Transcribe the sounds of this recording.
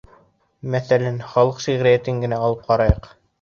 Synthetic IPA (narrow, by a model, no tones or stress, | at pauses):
mæθælænχɑlˠɤqʃiʁɾɘjæt̪ɘŋɡɘ̆næɑlˠɤp̚qɑɾɑjɤq